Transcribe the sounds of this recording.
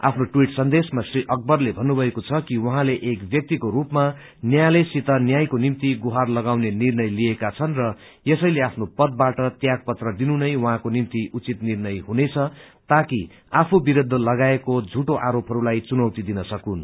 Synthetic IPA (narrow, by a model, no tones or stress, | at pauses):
a̰pʰnoʈwiʈsʌnd̪esmasriʔʌk̚bʌrlebʱʌnːubʱʌekot͡sʰʌkiwʌɦãleʔekbjʌk̚t̪ikoɾupma | njajlesit̪ʌnjajkonimt̪iɡuɦarlʌɡawnenirnʌjlijekat͡sʰʌnrʌ | jesʌjleapʰnopʌd̪̚baʈʌt̪jaɡ̚pʌt̪rʌd̪inunʌjwʌɦãkonimt̪iʔut͡sit̪nirnʌjɦunet͡sʰʌ | t̪aki | apʰubiɾod̪ʱːʌlʌɡaekod͡zʱuʈoʔaɾopɦʌɾulajt͡sunʌwt̪id̪inʌsʌkun